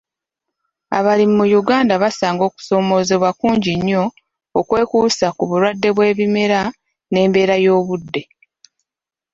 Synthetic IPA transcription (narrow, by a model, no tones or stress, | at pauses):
a̰βalimumujuɡaːndaβasaːŋɡo̞ːku̥so̞ːmo̞ːzeβwakuːɲɟiɲːo̞ː | kwe̞ːkuːsakuβuɾwadːe̞βwe̞ːβimeɾa | ne̞ːmbe̞ːɾajo̞ːβudːe̞